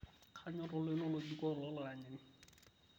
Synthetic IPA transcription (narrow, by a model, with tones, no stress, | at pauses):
kʰaɲʊrʊ˦lɪ˦nʊ˦lʊdi˦kɔ˦lɔ˦lʊa˨ɲɪ˨ŋɪ˦